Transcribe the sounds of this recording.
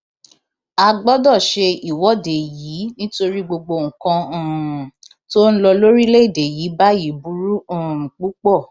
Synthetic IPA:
a˧ɡ͡bɔ˦dɔ˦˨ʃe˧i˨wɔ˨˦de˨jiː˨˦nĩ˦to˧ɾi˦ɡ͡bo˧ɡ͡bo˧ŋ̩˨kã˧˦˨ | to˦ñ̩˦lɔ˧lo˦ɾi˦le˦i˦˨de˨ji˨˦ba˦ji˨˦bu˨˦ɾũ˦˨k͡pu˦k͡pɔ˦˨

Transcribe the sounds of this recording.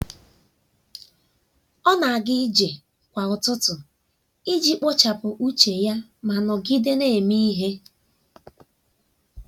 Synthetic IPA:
ɔ˦na˨a˨ɡɪ˦d͡ʒe˨ | kʷa˨ʊ˨tʊ˦tʊ˨ | i˦d͡ʒi˦k͡pɔ˦t͡ʃa˨pʊ˨ʔu˦t͡ʃe˨ja˦ma˨nɔ˨ɡɪ˦de˦ne˦˨e˨mi˦i˦ɦe˦

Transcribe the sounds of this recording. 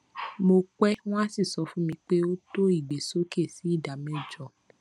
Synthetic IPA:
mo˧kɛ˦w̃ɔ̃˦a˦si˦˨sɔ˨˦fũ˦mĩ˧k͡pe˦o˦to˦i˦˨ɡ͡be˨so˦ke˦˨si˨˦i˦˨da˨mɛ̃˨˦˨d͡ʒɔ˨

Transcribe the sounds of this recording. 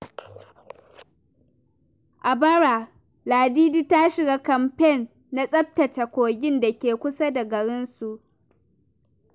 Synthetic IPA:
ʔa˨bɐ˦ɽa˨ | laː˨diː˦diː˦ta˦ʃɪ˨ɡaː˦kɐ˨mpɛ˦˨nː | a˦sʼɐ˦b̚tɐ˨t͡ʃa˨kʷoː˨ɡʲɪ˦nda˨kʲeː˨kʷʊ˦sa˦da˨ɡɐ˨ɽɪ˦nsu˨ʔ

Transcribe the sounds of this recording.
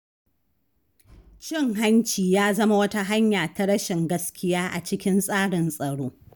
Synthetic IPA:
t͡ʃɪ˦˨ŋɦa˦nt͡ʃiː˨jaː˦zɐ˦ma˦wɐ˦ta˦ɦa˦ɲjaː˨ta˦ɽɐ˦ʃɪ˨ŋɡɐ˦skʲɪ˦jaː˦ʔa̰˨t͡ʃɪ˦kʲɪ˦nsʼaː˦ɽɪ˨nsʼɐ˨ɽoː˦

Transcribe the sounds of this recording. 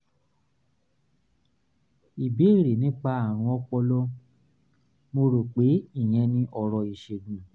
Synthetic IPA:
i˨bi˨˦e˦˨ɾe˨nĩ˦k͡pa˧a˨w̃ɔ̃˧ɔ˧k͡pɔ˧lɔ˦ | mo˧ɾo˨k͡pe˨˦i˦˨j̃ɛ̃˧nĩ˦ʔɔ˧ɾɔ˧i˧ʃe˧dũ˨nã˨

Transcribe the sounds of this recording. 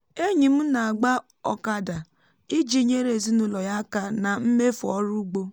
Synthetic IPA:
e˦ɲi˨m̩˦na˨a˨ɡ͡ba˦ | ɔ̰˨ka˦da˨ | i˦d͡ʒi˨ɲe˦ɾe˨zi˦nu˨lɔ˨ja˦ka˦na˨m̩˦me˦fɔ̰˦ɾu˦ɡ͡bo˦

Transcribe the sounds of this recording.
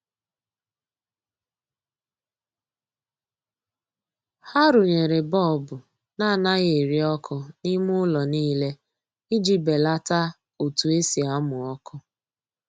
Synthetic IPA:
ha˦ɾʊ˨ɲe˨ɾe˨bɔ˦˨bʊ˨ | na˦˨na˦ɣe˨ɾi˦ɔ˦kʰʊ˦ni˦mʊ˦lɔ˨niː˦le˦ | i˦d͡ʒi˨be˨la˦ta˦ | o˨tu˨e˦si˨a˨˦mʊ˨ɔ˦kʊ˦

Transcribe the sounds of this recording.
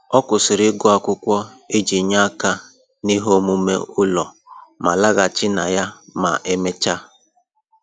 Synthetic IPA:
ɔ˦kʊ˨sɪ˨ɾɪ˦ɡʊ˦a˨kʷʊ˦kʷɔ˦e˦d͡ʒi˨ɲa˦ka˦ | ni˦ɦo˦mu˦mḛ˦ʊ˦lɔ˨ | ma̰˨la˦ɣa˨t͡ʃɪ˦na˨ja˦ma̰˨ʔe˦me˦t͡ʃa˦

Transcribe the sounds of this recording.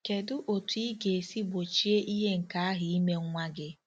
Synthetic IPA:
ke˨dʊ˦ʔo˨tu˦i˦ɡe˨e˨si˦bo˨t͡ʃi˦e˦ʔi˦ɦe˦ŋ̩˨ka˨˦a˦ɦɪ˨i˦me˦ŋ˦ŋʷa˦ɡɪ˦

